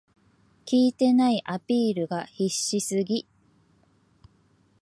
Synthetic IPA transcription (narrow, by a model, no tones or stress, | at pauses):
kʲiːt̪e̞naiʔapʲiːɾɯ̟ɡaçiɕːisɨɡʲi